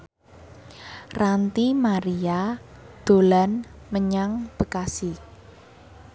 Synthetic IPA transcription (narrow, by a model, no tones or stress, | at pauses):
rant̪imaɾiad̪̥o̤lanməɲaŋb̥əkasi